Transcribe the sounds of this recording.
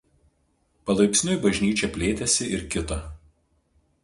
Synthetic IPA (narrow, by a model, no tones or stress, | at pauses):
pɐlˠɐɪkʲsʲnʲʊibɐʒʲnʲiːt͡ʃʲɛpʲlʲeːt̪ʲɛsʲɪʔɪɾkʲɪt̪ɐˑ